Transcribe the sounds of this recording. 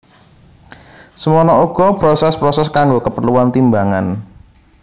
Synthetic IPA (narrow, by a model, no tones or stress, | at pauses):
səmɔnɔuɡ̥ɔ̤b̥ɾɔsɛspɾɔsɛskaŋɡokəpərluant̪imbaŋan